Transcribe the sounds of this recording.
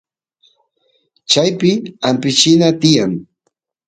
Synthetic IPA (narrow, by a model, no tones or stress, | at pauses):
t͡ʃajpɪampɪt͡ʃɪnat̪ɪjaŋ